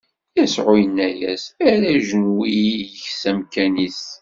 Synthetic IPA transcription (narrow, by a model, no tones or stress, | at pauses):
jæsʕʊjənːæjæ̰sæɾæʒənwijəçsæmkænis